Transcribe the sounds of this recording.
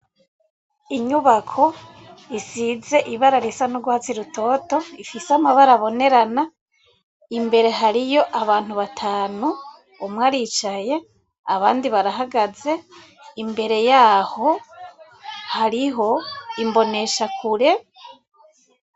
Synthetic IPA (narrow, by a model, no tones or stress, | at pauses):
iɲuβakʰo̞ | isize̞ʔiβaɾaɾisanuɡuhat͡siɾuto̞to̞ifiseamaβaɾaβo̞ne̞ɾana | imbe̞ɾe̞ɦaɾijo̞ʔaβaːn̥huβatʰaːnu | umŋaɾiːt͡ʃaje̞ | aβaːndiβaɾaɦaɡaze̞ | imbe̞ɾe̞jaːho̞ | haɾiɦo̞imbo̞ne̞ʃakʰuɾe̞